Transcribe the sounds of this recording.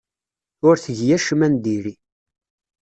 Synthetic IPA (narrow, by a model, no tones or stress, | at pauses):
ʊɾθəʝjæʃmænd̪iɾi